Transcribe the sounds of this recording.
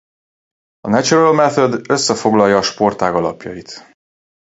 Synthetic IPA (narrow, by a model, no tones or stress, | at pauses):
ɒnɛt͡ʃurɛlmɛt̪ød̪ø̞sːɛfo̞ɡlɒjɒːʃpo̞rt̪aːɡɒlɒ̰pjɒjit̪